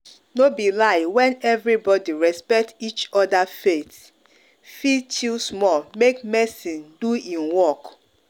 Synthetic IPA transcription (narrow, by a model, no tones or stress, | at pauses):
nobilaɪwɛ̃nɛvɹibɔdiɹɛspɛk̚tit͡ʃɔdafet | fitʰismɔlmek̚mɛsĩnduĩnwɔk